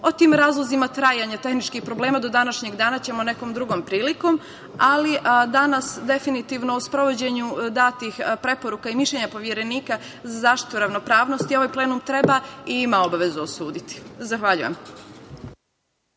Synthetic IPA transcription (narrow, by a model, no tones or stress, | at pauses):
o̞t̪iːmɾaːzlˠozimat̪ɾaːjaɲat̪e̞xnit͡ʃkixpɾo̞ble̞ːmad̪o̞d̪anaʃɲe̞ɡd̪aːnat͡ɕe̞mo̞ne̞ko̞ːmd̪ɾuɡo̞mpɾiːliko̞m | aliʔd̪anasd̪e̞finit̪iːʋno̞uspɾo̞ʋo̞d͡ʑe̞ɲud̪aːt̪ixpɾe̞po̞ɾukaimiʃʎeɲapo̞ʋje̞ɾe̞niːka | zazaːʃt̪i̥t̪uɾaʋno̞pɾaːʋno̞st̪io̞ʋajpleːnumt̪ɾe̞baiimao̞baʋe̞zuosuːd̪it̪i̥zaxʋaʎṵjḛm